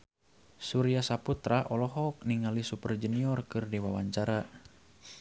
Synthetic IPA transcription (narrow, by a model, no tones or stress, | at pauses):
suɾiasaput̪ɾaʔɔlɔɦɔk̚niŋalisupərd͡ʒəniɔrkɨrdiwawaɲt͡ʃaɾa